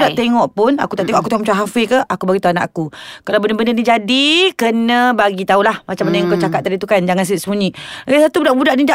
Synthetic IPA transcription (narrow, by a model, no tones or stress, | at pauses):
daʔt̪eŋɔʔpʊna̰kut̪aʔt̪eŋɔʔakut̪eŋmt͡ʃaɦafikəʔakubaɡit̪uana̰ʔakukalawbəndəbənənid͡ʒadikənə̃baɡit̪aulahmat͡ʃamanajaŋkawt͡ʃakat̪̚ːadit̪ukand͡ʒaŋans̬iʔsəmuɲiasat̪ubudaʔbudaʔnida